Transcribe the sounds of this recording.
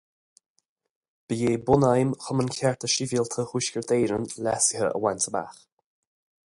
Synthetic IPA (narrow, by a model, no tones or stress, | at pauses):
b̥əjeːbʊnajmxʊmənkʲʰɛɹt̪ʰəʃivilt̪ʰəhuʃkʲəɹd̪eːɾənlɛsɪɦəə̰wɛnt̪ʰəba̰x